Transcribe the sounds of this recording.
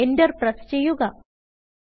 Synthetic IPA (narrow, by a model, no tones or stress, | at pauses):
enɖɐɾpɾɐst͡ʃejːuɡa